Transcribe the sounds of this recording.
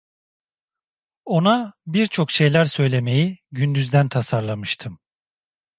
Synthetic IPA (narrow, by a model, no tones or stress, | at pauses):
o̞nabiɾt͡ʃʰo̞kʃe̞jlʲæɾsø̞jlʲe̞me̞jiɟynd̪yzd̪ænt̪ʰasaɾlˠamɯʃt̪ʰɯm